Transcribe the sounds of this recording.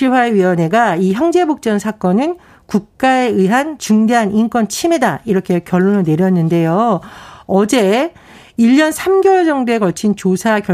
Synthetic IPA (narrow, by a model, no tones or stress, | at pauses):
iwaeɥiʌne̞ɡaiçjʌŋd͡ʑe̞bok̚t͡ɕ͈ʌnsʰak͈ʌnɯn | kuk̚k͈ae̞ɯiɦant͡ɕuŋdeɦanink͈wʌnt͡ɕʰime̞daiɾʌkʰe̞kjʌɭːonɯɭne̞ɾjʌnːɯnde̞jo | ʌd͡ʑe̞ | iʎːʌnsʰamɡjʌɭd͡ʑʌŋdoe̞ɡʌt͡ɕʰint͡ɕosʰakjʌ